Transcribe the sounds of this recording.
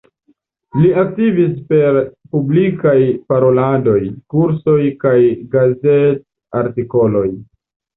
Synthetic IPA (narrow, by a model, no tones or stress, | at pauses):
liak̚tivispe̞ɾpublikajpaɾo̞lado̞jkuɾso̞jkajɡazet | aɾtiko̞lo̞j